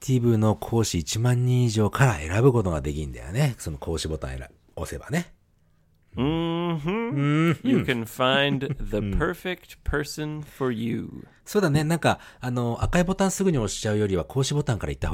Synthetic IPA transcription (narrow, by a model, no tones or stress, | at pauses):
t̪ʰʲibɯno̞kʰo̞ːɕiːt͡ɕimãɲ̟ːĩɰ̃iʑo̞ːkʰaɾa̰ʔe̞ɾabɯ̟ko̞t̪o̞ɡad̪e̞kʲĩnd̪a̰jo̰neso̞no̞kʰo̞ːɕibo̞t̪ã̰eɾa̰ | ose̞ba̰ne̞ | jɨkʰɨ̃nfãɪ̃nnðəpʰɜ˞fɛk̚tpʰɜ˞sɨ̃nfə˞jʉ̰ | so̞ːd̪ane̞nãŋkaano̞ʔakaibo̞t̪ãɰ̃sɨɡɯ̟ɲ̟io̞ɕi̥t͡ɕaɯ̟jo̞ɾʲiβakʰo̞ːɕibo̞t̪ãŋkaɾait̪ːahoː